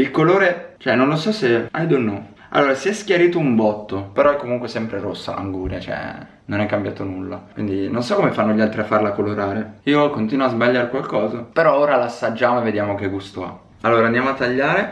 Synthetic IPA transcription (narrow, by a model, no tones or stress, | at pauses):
ilkoloːɾet͡ʃoɛnːonlosɔseajd̪onːɔ | a̰lːoːɾaseɛskjaɾiːt̪oumbɔt̪ːopeɾɔɛkːomuŋkwesɛmpɾeɾosːa̰ʔa̰ŋɡuːɾja̰t͡ʃoɛ̰ | nonɛkːambjaːt̪onulːa̰kwind̪inonsɔkːomefanːoʎalt̪ɾiafːarlakoloɾaːɾeiːokont̪iːnwoazbaʎːaːɾekwalkɔːzapeɾɔoːɾalasːad͡ʒːaːmoeved̪jaːmokeɡust̪oa̰ | alːoːɾaːnd̪amoat̪ːaʎːaːɾe